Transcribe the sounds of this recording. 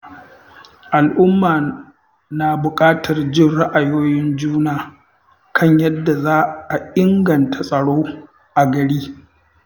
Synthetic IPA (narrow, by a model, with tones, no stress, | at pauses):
ʔa˨lʔʊ˦mːaː˨ | naː˨bʊ˨kʼaː˦tʰɐ˨rd͡ʒɪ˦˨nɽa˦ʔa˨joː˦jɪ˦nd͡ʒuː˦naː˨ | kʰɐ˦˨ɲjɐ˦dːa˨zaː˦ʔa˨ʔɪ˦ŋɡɐ˨ntʰa˨sʼɐ˨ɽoː˦ | ʔa˨ɡɐ˨ɽiː˦